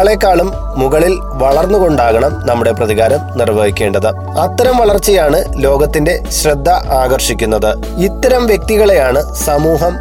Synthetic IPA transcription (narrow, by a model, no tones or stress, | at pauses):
ɭekːaːɭumː | uɣɐɭil | ʋɐɭɐrnːuɣo̞ɳɖaːɣɐɳɐmnɐmːuɽe̞prɐðiɣaːɾɐmnirʋɐɦikʲːe̞ːɳɖɐðɨ | ɐt̪ːɐɾɐmʋɐɭɐrt͡ɕːijaːɳɨlo̞ːɡɐt̪ːinde̞ɕrɐd̪ʱːɐʔaːɣɐrʂikʲːunːɐðɨ | it̪ːɐɾɐmʋjek̚t̪iɣɐɭejaːɳɨsɐmuːɦɐm